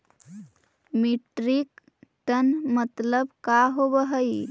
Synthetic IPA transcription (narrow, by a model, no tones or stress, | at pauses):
miʈɾik | ʈənmət̪ləbkaɦobəɦəj